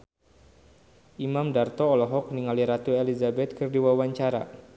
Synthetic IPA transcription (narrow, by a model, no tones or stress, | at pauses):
ʔimamdart̪ɔːlɔɦɔk̚niŋaliɾat̪uelizabɛt̪̚kɨrdiwawaɲt͡ʃaɾa̰